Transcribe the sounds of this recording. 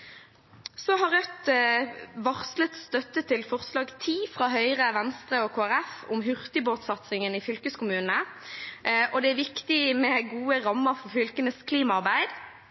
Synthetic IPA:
sɔɦɑʁœt̪ | ʋɑʁslət̪st̪œt̪ːət̪ʰɪlfɔʁslɑːɡt̪ʰiːfʁɑːɦœʏʁəʋɛnst̪ʁəɔkʰoːæʁɛfʊ̰mɦʏʁt̪ɪboːt̪sɑt̪sɪŋənɪfʏlkəskʊmʉːnə | ʔɔd̪ɛæʋɪkt̪ɪmɛɡuːəʁɑmːəfɔʁfʏlkənəskʰliːmɑɑʁbæɪd̪

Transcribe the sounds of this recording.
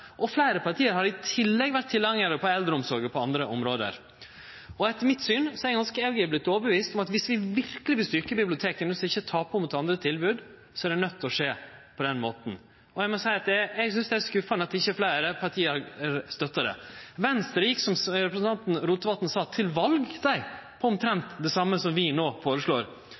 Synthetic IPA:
ʔɔflæɪɾəpɑʈʰiːəɾhɑɾɪt̪ʰɪlːɛɡʋæʈ̚t̪ʰːɪlɑŋəɾəpʰɔɛld̪ɾəɔmsɔɾɡəpʰɔɑnd̪ɾəʔɔmɾoːd̪ə̰ɾ | ɔɛt̪ːəɾmɪt̪syːnsɔɛæɾɡɑnskəɛɡəblɪt̪ːɔːbəʋiːst̪ɔmɑt̪ʋɪsʋɪʋɪɾkəlɪʋɪlst̪ʏɾkəbɪblɪʊt̪ʰeːkənʋɪskɑɪçːət̪ʰɑːpʰɔmuːt̪ɑnd̪ɾət̪ʰɪlbʉːd̪ | sɔæɖɛnœt̪ːɔʂeːpʰɔd̪ɛnmoːt̪n̩ | ɔjɛɡmɔsæɪɑt̪̚d̪ɛjɛɡsʏnsd̪ɛæskʉfɑnəɑt̪d̪ɪçːəæflæɪɾəpʰɑʈ̪ʰiːəæɾst̪œt̪ːəɾə̰ʋɛnst̪əɾəjɪksɔmɾɛpɾəsn̩t̪ʰɑnt̪nɾuːt̪əʋɑlt̪n̩sɑːt̪ʰɪlʋɑlɡsæɪpʰɔɔmt̪ʰɾɛnt̪d̪ɛsɑmːəsɔmʋɪnoːfoːɾəʂɭoːɾ

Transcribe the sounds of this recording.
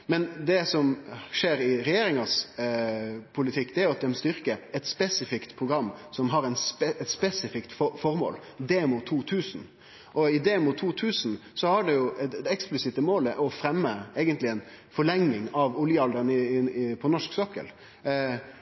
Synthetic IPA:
mɛnd̪ɛsɔmʂeːɾɪɾɛjeːɾɪŋɑs | pʰʊlɪt̪ʰɪkːd̪ɛæɾjʊɑt̪̚d̪ɛmst̪ʏɾkəɛt̪spɛsɪfɪkt̪pʰɾʊɡɾɑmːsɔmɦɑɾɛnsɛt̪spɛsɪfɪkt̪fɔfɔɾmo̰ːld̪eːmʊt̪ʰuːt̪ʰʉːsn | ʔɔɪd̪eːmʊt̪ʰːuːt̪ʰʉːsnsɔhɑɖɛjʊɛɛksplɪsɪt̪əmoːləʔɔfɾɛmːəɛɪɡənt̪lɪɛn | fɔɭɛŋnɪŋɑʋʊljəɑld̪əɾənɪɪɪpʰɔnɔʂksɔkːə̰l

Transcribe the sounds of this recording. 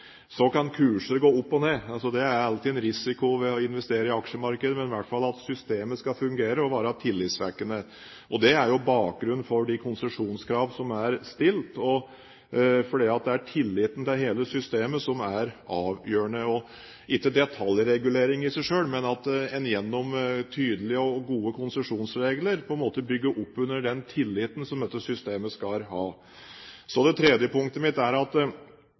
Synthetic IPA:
sɔkɑnkʰʉːʂəɾɡoːʊpːɔneːɑlsɔd̪ɛæɾɑlət̪ɪɛnɾɪsɪkʊʋɪɔɪnʋɛst̪eːɾəɪɑkʂəmɑɾkəd̪əmɛnɪʋæʈːfɑlɑt̪sʏst̪eːməskɑfʉŋɡeːɾəɔʋɑːɾət̪ʰɪlːɪt̪sʋæ̰ɾkənə | ʔɔd̪ɛæɾjʊbɑːk̚ɡɾʉnn̩fɔɖɪkʰʊnsəʂuːnskʰɾɑːʋsɔmæɾst̪ɪlt̪ɔ | fɔɖiːɑt̪̚d̪ɛæʈʰɪlːɪt̪ːn̩t̪ɪlɦeːləsʏst̪eːməsɔmæɾʔɑːʋjøːəɳəɔ | ɪkːəd̪ɛt̪ʰɑljɾɛɡʉleːɾɪŋɪsæɪʂøːlmɛnɑt̪ɛnjɛnːɔmt̪ʰyːd̪əlɪəɔɡuːəkʰʊnsəʂuːnsɾeːɡləɾpʰɔɛnmoːt̪əbʏɡːəɾʔɔpːʉnːəɖɛnt̪ʰɪlːɪt̪ən̩sɔmd̪ɛt̪ːəsʏst̪eːməskɑhɑː | sɔd̪ɛt̪ʰɾɛd̪jəpʰʊŋk̚t̪əmɪt̪ːæɾɑt̪

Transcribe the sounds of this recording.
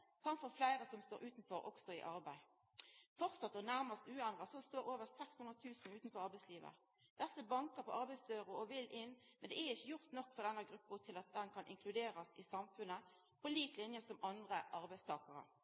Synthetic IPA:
sɑmt̪fɔflæɪɾəsɔmst̪oːɾʉːt̪nfɔɾʔɔ̰ksɔɪ̰ʔɑɾbæɪ | fɔʁt̪sɑt̪ːɔnæʁməst̪ʉːɛnd̪ʁəsɔst̪oːɾoːʋəʁsɛkshʉnʁət̪ʰʉːsn̩ʉːt̪n̩fɔɑʁbæɪsliːʋə̰ | d̪̥ɛsːəbɑŋkəʁpʰɔʔɑɾbæɪsd̪øːʁʊɔʋɪlʔɪnːmɛnd̪ɛæɾɪçːəjʊʁt̪nɔkːfɔʁd̪ɛnːəɡʁʉpːʊt̪ʰɪlɑt̪̚d̪ɛnkʰɑnʔɪ̰ŋkʰlʉd̪eːʁɑsɪ̰sɑmfʉnə | pʰɔliːklɪnjəsɔmɑnd̪ʁəʔɑʁbæɪst̪ʰɑːkɑʁə̰

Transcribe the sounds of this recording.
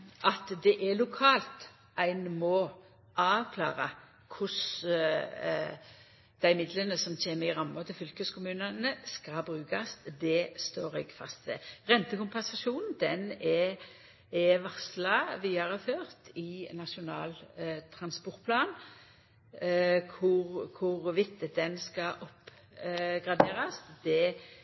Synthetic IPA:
ʔɑt̪d̪ɛʔɛlʊkʰɑːlt̪ | æɪnmɔ | ɑːʋkʰlɑ̰ːɾə | kʰʊs | d̪̥æɪmɪd̪lənəsɔmçeːməɪʁɑmːɑt̪ʰɪlfʏlkəskʰʊmʉːnənəskɑlbʁʉːkɑsd̪ɛst̪oːɾɛ̰ɡfɑst̪sɛ̰ʁɛnt̪əkʊmpɛnsɑʃuːnn̩d̪ɛnɛ | ɛʋɑʁslɑʋiːɑʁəføːʁt̪ɪnɑʂʊnɑːlt̪ʰɾɑnspɔʁt̪̚pʰlɑːn | kʰʊʁkʰʊʁʋɪt̪ːəd̪ɛnskɑʔɔp | ɡʁɑd̪eːʁɑsd̪ɛ

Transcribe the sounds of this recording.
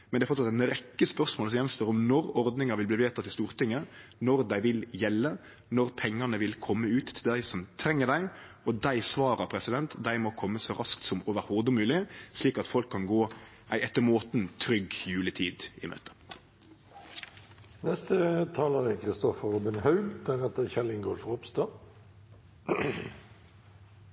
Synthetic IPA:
mɛnɛæfɔt̪sɑt̪ænɾɛkːəspœɾsmoːlsɔmjɛnst̪oːɾɔmnɔɾɔɾd̪nɪŋɑʋɪlb̪iːʋeːt̪ɑt̪ʰːɪlst̪uːɾt̪ɪŋːənɔɾd̪æɪʋɪljɛlːə | nɔɾpʰɛŋːɑnəʋɪlkʰɔmːəʉːt̪ʰːɪld̪æɪsɔmt̪ʰɾɛŋːəɾd̪æɪ | ɔd̪æɪsʋɑːɾəɾpʰɾɛsɪd̪ɛnt̪d̪æɪmɔkʰɔmːəsɔɾɑskt̪sɔmoːʋəɾhɔd̪ʊmʉːlɪsliːkɑt̪fɔlkʰːɑnɡoː | ʔæɪʔɛt̪ːəɾmoːt̪nt̪ʰɾʏɡjʉːlət̪ʰiːd̪ɪ̰mø̰ːt̪ə̥ | nɛst̪ət̪ʰɑːləʁəkʰɾɪst̪ɔfəɾubɪnhɑʉld̪̥æʁɛt̪əçɛlɪŋɡolfəʁʊpst̪ɑː

